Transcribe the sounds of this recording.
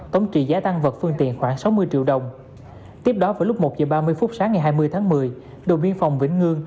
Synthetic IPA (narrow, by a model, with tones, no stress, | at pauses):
t̪ə˨˦wŋ͡mt͡ɕḭ˧˨zaː˨˦t̪a˧ŋvə˨˩t̚fɨ˧əŋt̪ḭ˧˨nxwaː˧˩ŋsa˨˦wmɨ˧əjt͡ɕḭ˧əwɗə˨˩wŋ͡m | t̪i˦˥əp̚ɗɔ˨˦vaː˧˩lʊ˦˥k͡p̚mo˨˩t̚zəː˨˩ɓaː˧mɨ˧əjfʊ˦˥t̚saː˨˦ŋːa˨˩jɦaː˧jmɨ˧əjt̪ʰaː˨˦ŋmɨ˨˩əj | ɗə˨˩wvi˧ənfa˨˩wŋ͡mvḭ˧˩ŋ̟ŋɨ˧əŋ